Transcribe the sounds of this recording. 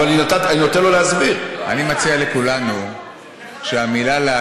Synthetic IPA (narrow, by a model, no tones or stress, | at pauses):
ninot̪ataninot̪enloleazbiʁa̰nimat͡sialekulanu | ʃeamilale